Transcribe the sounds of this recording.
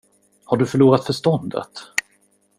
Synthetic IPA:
haɖɵfœɭuːɾat̪fœʂt̪ɔnd̪ə̰t̪

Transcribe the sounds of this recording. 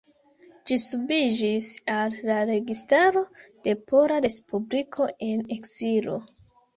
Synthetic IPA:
d͡ʒisubid͡ʒisalːaɾe̞ɡistaɾo̞d̥e̞po̞ɾaɾe̞spublikʰo̞ʔe̞ne̞kz̥ilo̞̰

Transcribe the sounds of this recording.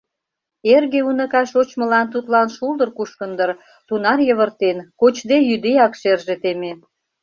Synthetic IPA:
erɣeunə̆kɑʃot͡ɕmə̆lɑnt̪̬ut̪lɑnʃuld̪ərkuʃkənd̪ər | t̪unɑrjəβərt̪enkot͡ɕd̪ejyd̪ejɑkʃerʒet̪eme

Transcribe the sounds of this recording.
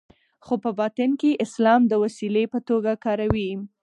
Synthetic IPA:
xopəbɑt̪ɪnkeʔɪslɑmd̪əwasilepət̪oɡakɑɾawi

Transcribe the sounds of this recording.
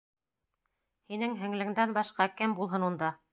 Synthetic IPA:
hinɘŋɦɘ̆ŋlɘ̆ŋd̪ænbɑʃqɑkɘmbulˠɦɤnund̪ɑ

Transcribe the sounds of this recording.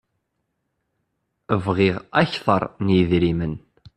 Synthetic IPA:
əvʁiʁæçθˤɑ̰ɾˤnjəðɾimən

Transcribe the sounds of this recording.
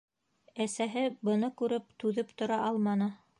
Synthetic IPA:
æsæɦɘbɤ̆nɤkʉɾɘp̚t̪ʉðɘpt̪ŏɾɑʔɑlˠmɑnɤ

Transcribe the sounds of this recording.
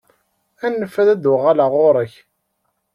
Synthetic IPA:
ænːəfːæðæd̪ʊʁalaʁoɾˤəç

